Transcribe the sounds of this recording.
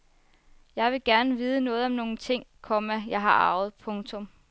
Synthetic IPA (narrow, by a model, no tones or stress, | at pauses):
jɑ̈ɪʋe̝ɡ̥æɐnəʋiːð̞ˠənɔ̽ːð̞̩ˠɒ̽mno̝ːŋ̩t͡sʰe̝ŋ̰kʰɒmæjɑ̈ɪɦɑ̈ʔɑ̈ʊð̞̩ˠpʰɔ̽ŋt͡sʰɔ̽m